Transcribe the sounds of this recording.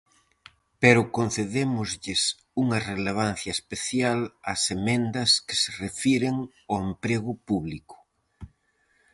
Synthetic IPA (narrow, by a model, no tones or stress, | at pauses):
peɾʊkon̟θeðemʊzʎɪs | uŋɐreleβ̞an̟θjɐespeθjalɐsemẽnd̪ɐskɪ̥serefiɾeŋ | oempɾeɣʊpuβlikʊ̥